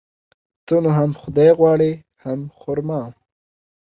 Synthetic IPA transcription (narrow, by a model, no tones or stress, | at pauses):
t̪onoɦamxʊd̪ɑjɣwɑːɽi | hamxʊɾmɑ